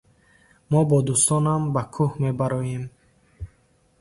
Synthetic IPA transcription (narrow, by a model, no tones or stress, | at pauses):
mɔbɔd̪ust̪ɔnambakʰuhme̞baɾɔjem